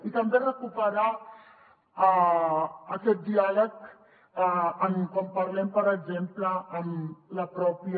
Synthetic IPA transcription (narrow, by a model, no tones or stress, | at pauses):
it̪əmberəkupəɾa | kɛt̪̚d̪ialək | əmkompɐɾlɛmpəɾəɡzempləːmlɐpɾɔpi